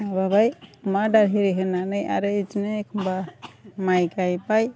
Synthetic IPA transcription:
ababajmadaɾɦiɾeɦɯnanɯja̰ɾɯid͡ʒnɯkʰɯmbamajkajpaj

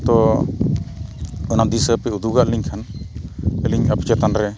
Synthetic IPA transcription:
t̪ɔ | ənad̪isəpɛud̪uɡaʔliŋkʰan | əliɲəpt͡ʃɛt̪anɾɛ

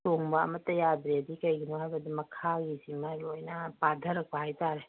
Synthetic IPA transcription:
toŋbaɐ̰mɐtːɐjadɾeɐdikɐjɡinuhajbɐdimɐkʰaɡisimalojnɐpadʱɐɾɐk̚pahajtaɾe

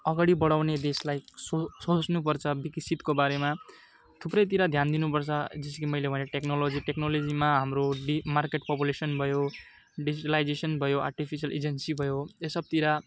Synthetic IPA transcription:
ʌɡaɽibʌɽawned̪eslajsosot͡snup̬ʌrt͡sʰʌbikit͡sʰːit̪kobaɾema | t̪ʰuprʌjt̪iɾad̪ʱjand̪inupʌrt͡sʰʌd͡zʌsʌ̥kimʌjlebʱʌneʈeknolod͡ziʈeknolod͡zimaɦamroɖimarkeʈ̚pop̬julesʌnbʱʌjo | ɖid͡ziʈalajd͡zesʌnbʱʌjoa̰rʈipʰisʌlʔed͡zensibʱʌjoesʌb̚t̪iɾa

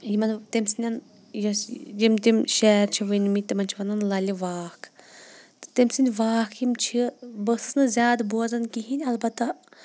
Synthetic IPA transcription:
jimɐnt̪emsinʲɐn | jɐd͡ʒimt̪imʃɛːɾt͡ʃʰiʋɨnʲmit̪imɐnʲt͡ʃʰiʋɐnɐnlɐlʲiʋaːkʰ | t̪ɨ̥t̪emsinʲʋaːkʰimt͡ʃʰibəsɨ̥snɨzʲaːd̪boɐzɐnkiɦinʲɐlbɐt̪ːɐ

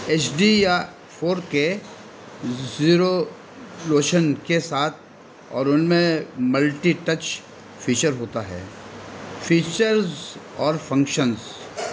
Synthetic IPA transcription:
eːt͡ʃɖija | fʰoːɾke | ziːɾo | loːʃənkesaːt̪̚ʰ | ɔ̰ːɾʊnmẽmɐlʈiʈɐt͡ʃ | fiːt͡ʃəɾɦoːt̪aɦɛ̰ː | fʰiːt͡ʃəɾzɔːɾfɐ̃ŋkʃənz

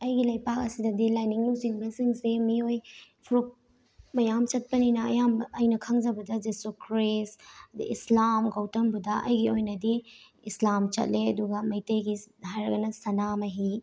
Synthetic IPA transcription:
ɐjɡilɐjpak̚ɐsidɐdilajniŋlusiŋbɐsiŋsemiojpʰuɾuk̚ | mɐjamt͡ʃɐt̚pɐninɐɐ̰jamɐjnɐkʰɐŋd͡ʒɐbɐdɐd͡ʒesukɾisdḭislamɡɐwtɐmbudɐʔɐjɡiojnɐdi | islamt͡ʃɐ̰t̚leɐduɡɐmɐjtejɡiɦajɾɐɡɐnɐsɐnamɐɦi

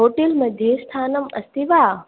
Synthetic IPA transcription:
oːʈilmɐd̪ʱjest̪ʰaːnɐmɐ̰st̪iʋaː

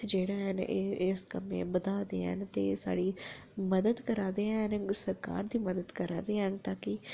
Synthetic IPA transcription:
d͡ʒeːɽaːɦənɪskəmḛ̃ːbəd̪aːd̪ḛːɦɛ̰nt̪ḛːsa̰ːɽiː | məd̪əd̪kəɾaːd̪eːɛnsəɾka̰ːɾd̪iːməd̪əd̪kəɾaːd̪eːɦɛːnt̪aːkɪ

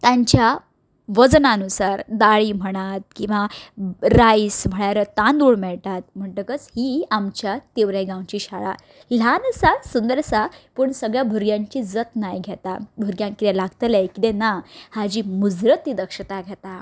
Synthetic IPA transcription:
t̪ãɲt͡ɕja | ʋəd͡znanusaɾd̪aɭiːm̤əɽ̃at̪̚kĩw̃ʋaɾajsm̤əɭaɾət̪ãnd̪uɭmɛɭt̪at̪̚m̤əɳʈəkət͡shiːamt͡ɕjat̪eʋɾeɡãwt͡ɕiːɕaɭa̰ | l̤ansasund̪əɾsapəɳsəɡɭjabʱuɾɡjãɲt͡ɕiːd͡zət̪najɡʱet̪a̰bʱuɾɡjãŋkit̪ẽlaɡt̪əlajkid̪enahad͡ʑiːmud͡zɾət̪ːid̪əkʂət̪aɡʱet̪a

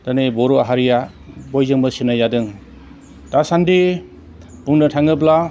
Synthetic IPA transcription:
tanebɔɾuaɦaɾija | bɔjzɯŋbɯsinajadɯŋ | tasandi | buŋnɯtʰaŋɯb̬la

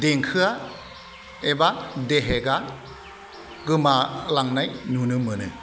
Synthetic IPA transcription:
deŋkʰɯa | ebadeɦeɡa | ɡɯmalaŋnajnunɯmɯnɯ̰

